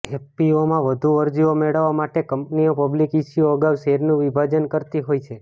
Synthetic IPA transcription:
eppiomãʋəd̪ʱuəɾd͡ʒiomeɭəʋːamaʈekəmpniopəblikiʃjoəɡaʋʃeɾnũʋibʱad͡ʒənkəɾt̪iɦojt͡ʃʰe

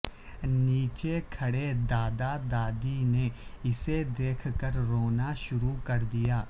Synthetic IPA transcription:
niːt͡ʃekʰɐɽed̪aːd̪ad̪aːd̪ineɪsed̪eːkʰkəɾɾoːnaʃʊɾukɐɾd̪ijaː

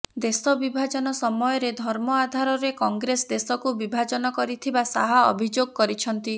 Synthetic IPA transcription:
d̪esɔbibʱad͡ʒɔnɔsɔmɔjɔɾed̪ʱɔɾmɔad̪ʱaɾɔɾekɔŋɡɾesd̪esɔkubibʱad͡ʒɔnɔkɔɾit̪ʰibasaɦaɔ̰bʱid͡ʒoɡɔkɔɾit͡ʃʰɔnt̪i

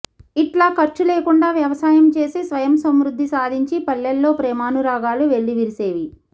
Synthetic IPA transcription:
iʈlaːkɐɾt͡ʃuleːkuɳɖaːʋjɐʋɐsaːjɐmt͡ʃe̞ːsisʋɐjɐmsɐmɾud̪ʱːisaːd̪ʱiɲt͡ʃipɐlːɐlːo̞ːpɾɛːmaːnuɾaːɡaːluʋe̞ɭːiʋiɾiseːʋi

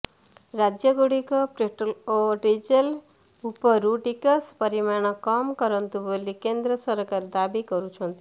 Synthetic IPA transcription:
ɾad͡ʒjʌɡoɽikɔpɾeʈloʈid͡ʒel | upɔɾuʈikɔspʌɾimaɳ̃ɔkɔmkʌɾʌnt̪ubolikend̪ɾʌsʌɾkaɾd̪abikʌɾut͡ʃʰɔnt̪i

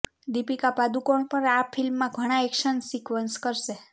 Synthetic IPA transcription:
d̪ipikapad̪ukoɳpəɾapʰilmːãɡʱəɽ̃aɛkʃənsikʋənskəɾʃe

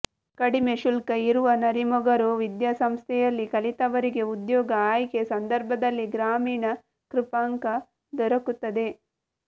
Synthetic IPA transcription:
kɐɽime̞ʃulkɐiɾuʋɐnɐɾimɔɡɐɾuʋid̪jasɐmst̪ʰɛjɐlːikɐlit̪ɐʋɐɾiɡe̞ud̪jɔːɡɐaːjkesɐnd̪ɐɾbʱɐd̪ɐlːiɡɾaːmiːɳɐ | kɾupaːŋkɐ | d̪ɔɾɐkut̪ːɐd̪e̞

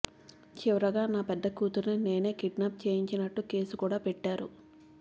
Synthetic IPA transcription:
t͡ʃiʋɐɾɐɡaːnaːpɛd̪ːɐkuːt̪uɾnine̞ːne̞ːkiʈnaːp̚t͡ʃe̞ːjiɲt͡ʃinɐʈːuke̞ːsukuːɽaːpɛʈːaːɾu

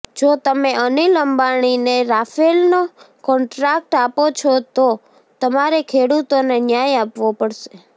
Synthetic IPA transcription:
d͡ʒot̪əmeʔəniləmbaɽ̃ineɾafelno | kɔɳʈɾak̚ʈapot͡ʃʰɔt̪o | t̪əmaɾekʰeɽut̪onenjajapʋopəɽʃe

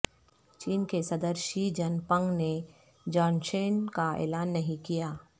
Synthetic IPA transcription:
t͡ʃiːnkesɐd̪əɾʃid͡ʒɐnpə̃ŋɡne | d͡ʒaːnʃeːnkaḛːlaːnːɐɦĩkijaː

